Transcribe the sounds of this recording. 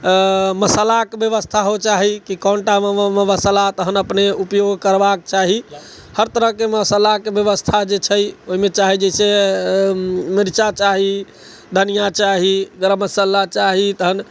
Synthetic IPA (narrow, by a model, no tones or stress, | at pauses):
məsəlakebjəʋəst̪ʰaɦot͡ʃaɦikikɔɳʈaməʋəsəlat̪əɦənəpneupjoɡʱkəɾbakt͡ʃaɦi | həɾt̪əɾəɦkeməsəlakebjəʋəst̪ʰad͡ʒet͡ʃʰəjoɦimet͡ʃaɦid͡ʒəse | miɾt͡ʃat͡ʃaɦi | d̪ʱənijat͡ʃaɦiɡɾəməsəlat͡ʃaɦit̪əɦən